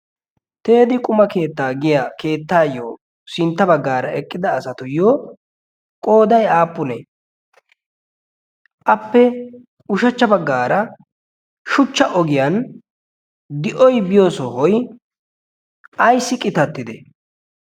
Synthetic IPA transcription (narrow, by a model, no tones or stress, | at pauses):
t̪e̞ːd̪ɪkʼʊmɐke̞ːt̪ːaːɡɪjake̞ːt̪ːaːjoː | sɪnt̪ːɐbɐɡːaːɾɐʔɛkʼːɪd̪ɐːsɐt̪ʊjoː | kʼo̞ːd̪ɐjaːpːʊnɛ | ʔɐpːɛ | ʊʃɐt͡ʃːɐbɐɡːaːɾɐ | ʃʊt͡ʃːɐʔɔɡɪjɐn | d̪ɪʔɔjbɪjoːsɔhɔj | ʔɐjsːɪkʼɪt̪ɐt̪ːɪd̪ɛ